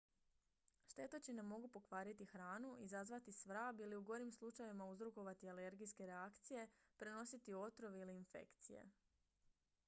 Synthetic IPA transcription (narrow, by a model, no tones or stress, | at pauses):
ʃt̪e̞t̪ot͡ɕinemo̞ɡupo̞kʋaːɾit̪ixɾaːnuizazʋat̪isʋɾaːbiliuɡo̞ɾimslˠut͡ʃajʋimauzɾoko̞ʋat̪iale̞ɾɡijske̞ɾeakt̪sije̞pɾe̞no̞sit̪io̞t̪ɾo̞ʋeiliːnfe̞̰kt̪sijḛ